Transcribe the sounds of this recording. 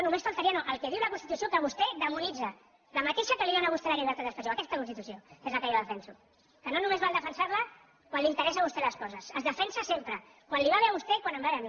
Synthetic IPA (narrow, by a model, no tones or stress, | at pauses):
onũmesfalˠt̪aɾianoʔəlˠkɛðiwlɐkunst̪it̪usiokəβ̞ust̪ɛðəmunid͡zə | ləmat̪eʃakəliβanaβust̪elaɣiβəɾt̪at̪əspaʒoɐkɛst̪əkunst̪it̪usioezləkəjaðəfɛnsu | kənonũmezβalˠd̪əfənsaɾlə | kwanlint̪əɾɛsaβust̪ɛləskɔzəsəzðəfɛnsəsempɾə | kwanliβaβeɾɐβust̪ɛkwanəmbaeani